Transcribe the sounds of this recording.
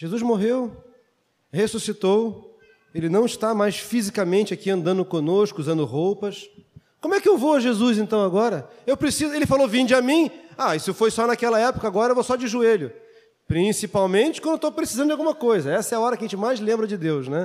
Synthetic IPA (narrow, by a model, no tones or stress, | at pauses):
ʒezuzmoɦew | hesusit̪ow | elɪnɐ̃w̃ɪst̪amajsfizikamẽnt͡ʃɪakiɐ̃nd̪ɐ̃nd̪ʊkõnoskʊuzɐ̃nd̪ʊhowpɐskõmʊɛkɪewvowɐʒezuzẽnt̪ɐ̃w̃aɡɔɾɐewpɾesizʊelɪfalovĩnd͡ʒɪamĩaisʊfojsɔnakɛlɐɛpʊ̥kɐaːɡɔɾɐewvosɔd͡ʒɪʒueʎʊ | pɾĩsipawmẽnt͡ʃɪkwɐ̃d̪ewt̪owpɾesizɐ̃nd̪ʊd͡ʒawɡũmɐkojzɐɛsɐɛɐɔɾɐkɐʒẽnt͡ʃɪmajzlẽmbɾɐd͡ʒɪd̪ewznɛ